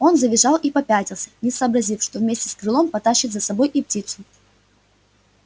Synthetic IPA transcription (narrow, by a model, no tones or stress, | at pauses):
o̞nzəbʲɪʐɑlˠʔipɐpʲætʲɪlˠsʲə̥nʲɪsɐːbɾɐzʲifʂt̪o̞vmʲesʲtʲɪ̥skɾɨlˠo̞mpɐt̪aɕːɪt̪zɐsɐbo̞jʔiptʲit̪sʊ